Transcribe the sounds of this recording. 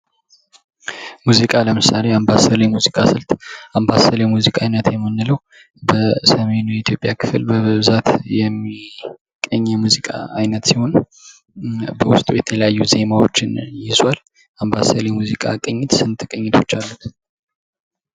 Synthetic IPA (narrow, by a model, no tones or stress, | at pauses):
muzikʼaləmɨsale̞ambasəlemuzikʼasɨlt̪ambasəlemuzikʼajnət̪jɛmːɨnːɨləw | bəsəme̞nujɛit̪ʰjo̞pʼjakʰɨflbəβɨβzat̪jɛmːi | kʼəɲːɛmuzikʼa̰ajnət̪siho̞n | bəwʊst̪ʼujɛt̪ʰələjajːuze̞mawo̞t͡ʃːɪnjɪzwal | ambasəlemuzikʼa̰kʼəɲːɪt̪sɨnt̪ʰɨkʼəɲːɪt̪ʰo̞t͡ʃːalːut̪